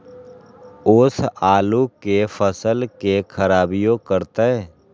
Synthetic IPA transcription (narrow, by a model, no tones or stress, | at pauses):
ʊsaːlukefʰəsəlkekʰəɾaːbijõkəɾt̪aɛː